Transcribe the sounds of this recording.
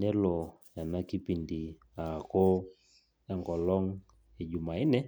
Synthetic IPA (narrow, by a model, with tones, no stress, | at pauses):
nɛ˦lɔ˨ | a˨na˦ki˦pi˨ndi˨ | a˨kɔ˦ | ɛ˦ŋɡɔ˨lɔ˦ŋ | e˨ɟu˨ma˨ɪ˦nɛ˦